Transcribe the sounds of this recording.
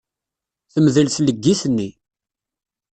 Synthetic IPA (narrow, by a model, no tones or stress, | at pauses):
θəmðəlsləɡːisənːi